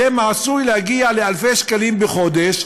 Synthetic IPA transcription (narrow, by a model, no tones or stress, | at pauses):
emaːsujlehaɡiale̞alfe̞ʃkalimbeχo̞d̪eʃ